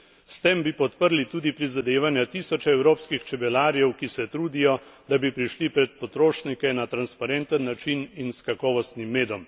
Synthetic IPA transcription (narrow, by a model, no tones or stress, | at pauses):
st̪eːmbipɔt̪pəɾlit̪uːd̪ipɾizad̪eːʋanjat̪iːsɔt͡ʃɛɛwɾoːpskixt͡ʃɛbɛlaːɾijɛwkisɛt̪ɾuːd̪ijɔd̪abipɾiʃlipɾɛt̪̚pɔt̪ɾoːʃnikɛnat̪ɾanspaɾɛnt̪ənːat͡ʃininskakɔːʋɔst̪nimːeːd̪ɔm